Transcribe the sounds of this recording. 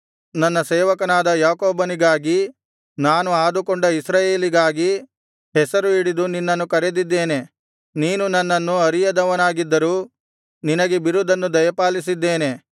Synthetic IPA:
nɐnːɐsɛːʋɐkɐnaːd̪ɐjaːkoːbɐniɡaːɡi | naːnuaːd̪ukoɳɖɐisɾɐje̞ːliɡaːɡi | ɦɛsɐɾuiɽid̪uninːɐnːukɐɾed̪id̪ːe̞ːne̞ | niːnunɐnːɐnːuɐɾijɐd̪ɐʋɐnaːɡid̪ːɐɾuː | ninɐɡebiɾud̪ɐnːud̪ɐjɐpaːlis̬id̪ːeːne̞

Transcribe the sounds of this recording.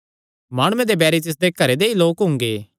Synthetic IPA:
maːɽ̃ʊẽd̪ebɛːɾit̪ɪs̬d̪ekɐɾed̪eiloːkɦʊ̃ŋɡeː

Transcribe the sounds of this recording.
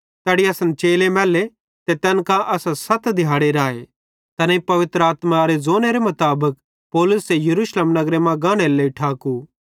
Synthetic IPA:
t̪ɛːɽiɐsənt͡ʃeːlemɛːle | t̪et̪ɛːnkãʔɐsãsɐt̪d̪ʱjaːɽeɾaːḛ | t̪ɐnãipɐʋɪt̪ɾəaːt̪maɾezoːneɾemʊt̪aːbək̚ | pɔːlʊsejɐɾuːʃleːmnɐɡɾemãɡãːɽ̃eleiʈʰaːku

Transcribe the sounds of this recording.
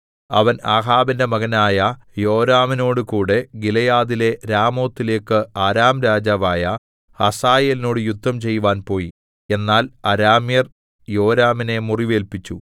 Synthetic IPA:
ɐ̰ʋɐnaːɦaːbinde̞mɐɣɐnaːjɐ | jo̞ːɾaːmino̞ːɽɨkuːɽe̞ɡilɐjaːðile̞ɾaːmo̞ːt̪ːile̞ːkːɨaːɾaːmɾaːd͡ʑaːʋaːjɐ | hɐsaːjeːlino̞ːɽɨjud̪ʱːɐmt͡ɕe̞jːuʋaːnpo̞ːji | e̞nːaːlɐɾaːmjɐr | jo̞ːɾaːmine̞muriʋe̞ːlpit͡ɕːu

